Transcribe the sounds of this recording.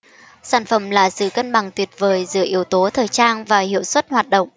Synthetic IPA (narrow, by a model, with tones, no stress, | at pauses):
saː˧˩nfə˧˩mlaː˨˩sɨ̰˧˨kə˧nɓa˨˩ŋt̪wi˨˩ət̚vəː˨˩jzɨ̰˧˥əʔi˨˦əwt̪o˨˦t̪ʰəː˨˩jt͡ɕaː˧nvaː˨˩hḭ˧˨əwswə˦˥t̚hwaː˨˩t̚ɗə̰˧˨wŋ͡m